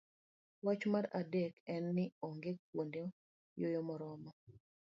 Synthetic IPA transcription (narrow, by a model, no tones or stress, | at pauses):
wat͡ʃmaɾadekɛnːɪoŋɡekːwonde | jojɔmɔɾɔmɔ